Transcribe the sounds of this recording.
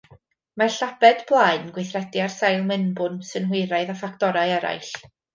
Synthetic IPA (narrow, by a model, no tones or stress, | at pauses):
marɬabɛdblˠaɨnɡwɪjθrɛdiarsajlˠmɪnbʊnsɨnhɪɾaɨðafaktɔɾajɛɾa̰jɬ